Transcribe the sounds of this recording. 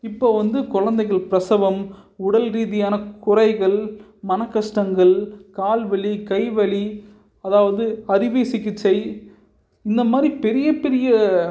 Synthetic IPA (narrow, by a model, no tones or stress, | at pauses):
ɪpːoːʋɐnd̪ɯkʊɻɐnd̪ɐɪɣɐɭpɪɾɐsɐʋɐmʊɽɐlɾiːðɪjaːnɐkʊrɐɪɣɐɭ | mɐnɐkːɐʂʈɐŋɡɐɭkaːlʋɐɭikɐɪʋɐɭi | ɐðaːʋɐðɯɐɾɪʋeːsɪkːɪt͡ʃːɐɪ | ɪnd̪ɐmaːd̪ɾipɛɾɪjɐpɛɾɪjɐ